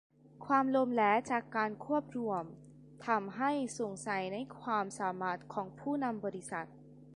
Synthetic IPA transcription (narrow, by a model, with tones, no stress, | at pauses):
kʰwaː˧mloː˧mlɛː˩˦˥t͡ɕaː˨˩kːaː˧nkʰu˥˩əp̚ɾu˧əm | t̪ʰa˧mɦa˥˩jso˨˩˦ŋsa˨˩˦jna˧jkʰwaː˧msaː˩˦maː˥˩t̪̚kʰɔː˩˦ŋpʰuː˥˩na˧mbɔː˧ɾi˦˥sa˨˩t̪̚